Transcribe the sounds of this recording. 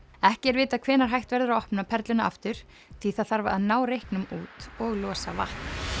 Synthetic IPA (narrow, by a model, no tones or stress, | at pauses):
ɛhcɛɾvɪːt̪akʰv̥ɛːnaɾ̥ɦajht̪vɛɾðʏɾaɔhpnapʰɛɾt̪lɪnaa̰ft̪ʏɾ̥ | θiθaðθaɾvaaðnaːwɾejhknʏmuːt̪ɔɣlɔːsava̰ht̪n